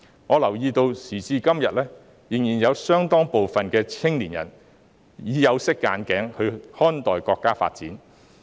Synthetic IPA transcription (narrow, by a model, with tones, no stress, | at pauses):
ŋɔː˨˧lɐ˨˩wjiː˧t̪o˧wsiː˨˩t͡siː˧kɐ˥mjɐ˨t̚lɛː˥ | jɪ˨˩ŋjiː˨˩njɐ˨˧wsœː˥ŋt̪ɔː˥ŋpo˨wfɐ˨nkɛː˧t͡sʰɪ˥ŋliː˨˩njɐ̰˨˩n | jiː˨˧jɐ˨˧wsɪ˥kːa̰ː˨˧˥nkɛː˨˥ŋhɵ˧ɥhɔː˥nt̪ɔː˨˩jkɔː˧kːaː˥fa̰ː˧t̚t͡siː˨˥n